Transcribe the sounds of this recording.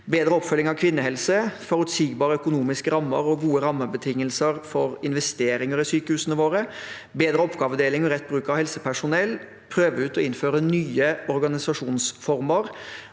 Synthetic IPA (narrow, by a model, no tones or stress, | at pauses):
beːd̪ɾəɔpfœlɪŋɑʋkʰʋɪnːəhɛlsəfɔɾʉt̪siːɡbɑːɾəœkʊnuːmɪskəɾɑmːəɾɔɡuːəɾɑmːəbət̪ʰɪŋːəlsəɾfɔɾɪnʋɛst̪eːɾɪŋəɾɪsyːkəhʉːsənəʋoːɾə | beːd̪ɾəɔpɡɑːʋəd̪eːlɪŋɔɾɛt̪̚ːbɾʉːkɑʋhɛlsəpʰæʂʊnɛlː | pʰɾøːʋəʉːt̪ɔɪnføːɾənyːəɔɾɡɑnɪsɑʂuːnsfɔɾməɾ